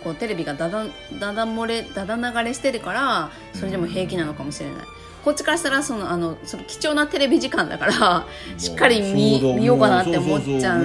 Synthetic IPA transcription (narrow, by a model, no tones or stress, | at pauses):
ko̞ːt̪e̞ɾe̞bʲiɡad̪ad̪a | d̪ad̪amo̞ɾe̞d̪ad̪anaɡaɾe̞ɕi̥t̪e̞ɾɯ̟kaɾa | so̞ɾe̞d̪emo̞ɦe̞ːkʲinano̞kamo̞ɕiɾe̞̰na̰ḭ | ko̞t̚t͡ɕːi̥kaɾaɕi̥t̪aɾaso̞no̞ano̞so̞nokʲi̥t͡ɕo̞ːnat̪e̞ɾe̞bʲiʑikãnd̪a̰kaɾa | ɕi̥kːaɾʲimʲimʲijo̞ːkanat̪eomot͡ɕːã